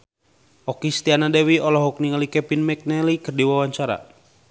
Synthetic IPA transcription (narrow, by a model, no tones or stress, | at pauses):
ʔɔkist̪ianadɛwiɔlɔɦɔk̚niŋalikɛpinmɛk̚nɛlikərdiwawaɲt͡ʃaɾa̰